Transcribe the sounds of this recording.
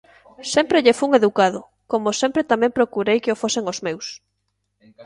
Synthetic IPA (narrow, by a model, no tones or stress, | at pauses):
sɛmpɾeʎefuuŋeðukaðʊ | komosẽmpɾet̪amɛ̃mpɾokuɾejkeofoseŋozmews